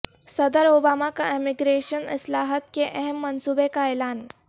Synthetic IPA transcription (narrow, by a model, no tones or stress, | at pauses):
səd̪əɾobamakaemiɡɾeɕənḭslaɦət̪keʔeɦemːənsubekaelaːn